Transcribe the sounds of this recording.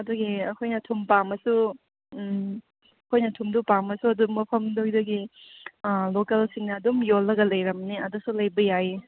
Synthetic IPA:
ɐduɡiɐkʰojnɐtʰumpamɐsu | ɐkʰojnɐtʰumdupamɐsuɐdumɐpʰɐmdodɐɡi | lokɐlsiŋnɐːdumjolːɐɡɐlɐjɾɐmniɐdusulɐjbɐjaɦi

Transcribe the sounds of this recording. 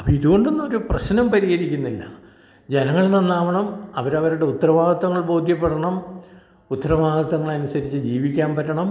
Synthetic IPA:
ɐpːɐiðuɣo̞ɳɖonːoɾuprɐɕnɐmpɐɾiɣɐɾikʲːunːilːɐ̰ | d͡ʑenɐŋːɐɭinenːaːʋɐɳɐmɐʋɐɾɐʋɐɾuɽe̞ut̪ːɐrɐʋaːɡɐt̪ːɐŋːɐɭbo̞ːd̪ʱjɐp̬ːeɽɐɳɐm | ut̪ːɐɾɐʋaːɡɐt̪ːɐŋːɐɭɐnusɐɾit͡ɕːɨd͡ʑiːʋikʲːaːmpɐɾːɐɳɐm

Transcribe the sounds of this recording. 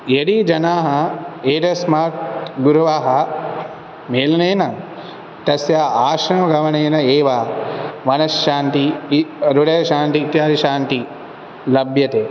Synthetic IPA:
jeɽid͡ʒɐnaːɦɐeːʈɐsmaːtɡuɾuʋaːɦɐ | meːlɐneːnɐ | t̪ɐsjaːaːʃɐnɐɡʱɐʋɐneːnɐeːʋaːmɐnɐʃʃaːnt̪iɾuɽɐjɐʃaːnt̪it̪jaːdɐʃaːnt̪i | lɐbʱjɐt̪eː

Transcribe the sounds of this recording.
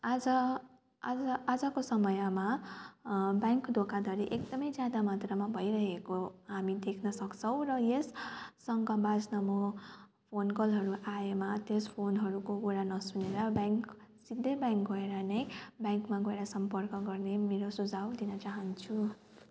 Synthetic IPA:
ad͡zʌ | ad͡zʌad͡zʌkosʌmʌjama | bjaŋkd̪ʱokʰad̪ʱʌɾiʔekd̪ʌmʌjd͡zjad̪amat̪rʌmabʱʌjɾʌɦekoɦamid̪ekʰnʌsʌkt͡sʰʌw̃rʌjesː | ʌŋɡʌbad͡znʌmʌ | pʰonkʌlɦʌɾuʔaemat̪espʰonɦʌɾukokuɾanʌsuneɾʌbjaŋk | sid̪ʱːʌbjaŋkɡʌeɾʌnʌjbjaŋkmaɡʌeɾaʌsʌmpʌrkʌɡʌrnemeɾosud͡zʱawd̪inʌt͡saɦʌnt͡sʰu

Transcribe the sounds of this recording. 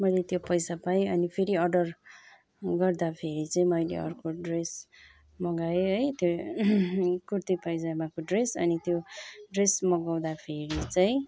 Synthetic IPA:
mʌjlet̪jopʌjsapajʌnipʰeɾiʌrɖʌr | ɡʌrd̪apʰeɾit͡saĩmʌjlḛʌ̰rkoɖres | mʌɡaeɦʌjt̪jo | kurt̪ipʌjd͡zamakoɖresʌnit̪joɖresmʌɡaw̃d̪apʰeɾit͡sʌĩ

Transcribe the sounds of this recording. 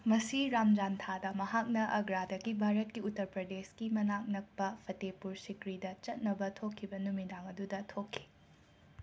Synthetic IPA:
mɐsiɾamd͡ʒant̪ʰadɐmɐɦak̚nɐʔɐɡɾadɐɡibʱaɾɐt̚kiutːɐɾpɾɐdeskimɐnak̚nɐk̚pɐpʰɐtepuɾsikɾidɐt͡ʃɐt̚nɐbɐtʰokʰːibɐnumidaŋɐdudɐtʰokʰːi̥

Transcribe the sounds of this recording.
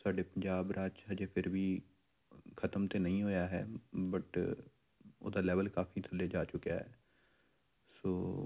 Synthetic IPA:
saːɖeːpəɲd͡ʒaːbɾaːt͡ʃɦəd͡ʒəpʰɪɾʋiː | kʰət̪əmt̪eːnəĩːɦoːjaːɦɛ̰ːbəʈ | o̰ːd̪aːlɛːʋəlkaːpʰiːt̪ʰəlːeːd͡ʒaːt͡ʃʊkjaːɦɛː | soː

